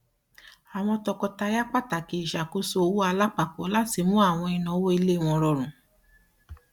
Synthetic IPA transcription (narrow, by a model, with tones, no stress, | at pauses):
a˨w̃ɔ̃˧tɔ˧kɔ˧ta˧˦ja˦k͡pa˦˨ta˨ki˨i˨ʃa˨ko˨˦so˧o˧wo˦a˧la˦k͡pa˨k͡pɔ˨˦la˦ti˧˦mũ˦a˦˨w̃ɔ̃˧i˧nã˨˦wo˦i˧le˦˨w̃ɔ̃˧ɾɔ˨ɾ̃ũ˨